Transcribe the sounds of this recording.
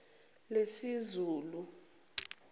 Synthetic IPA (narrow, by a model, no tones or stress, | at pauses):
lesizuːlu